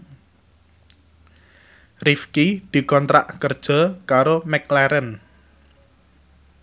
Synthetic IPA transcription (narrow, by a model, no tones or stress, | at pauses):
rifkid̪̥i̤kɔnt̪ɾa̰ʔkərd̥ʒ̥ɔ̤kaɾomɛklɛɾən